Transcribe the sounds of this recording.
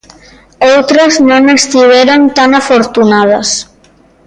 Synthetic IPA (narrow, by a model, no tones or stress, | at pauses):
owt̪ɾəznonest̪iβeɾont̪anafoɾt̪unað̞əs